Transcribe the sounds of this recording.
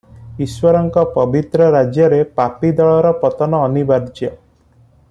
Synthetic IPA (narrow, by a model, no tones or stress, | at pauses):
iswɔɾɔŋkɔpɔbit̪ɾɔɾad͡ʒjɔɾepapid̪ɔɭɔɾɔpɔt̪ɔnɔːnibaɾd͡ʒjɔ